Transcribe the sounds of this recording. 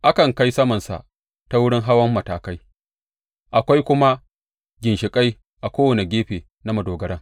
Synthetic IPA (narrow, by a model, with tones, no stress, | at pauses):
ʔa˦kɐ˨ŋka˦jsɐ˦mɐ˨nsa̰˨ʔ | ta˦wʊ˦ɽɪ˦ŋɦa˦wɐ˦mːɐ˨taː˨ka˦j | ʔa˨kʷa˦jkʷʊ˦ma˦ | ɡʲɪ˨nʃɪ˨kʼa˦j | ʔa˨kʷoː˦wɐ˨ne˨ɡʲeː˦ɸeː˨ | na˦mɐ˨doː˨ɡɐ˦ɽɐ˦ŋ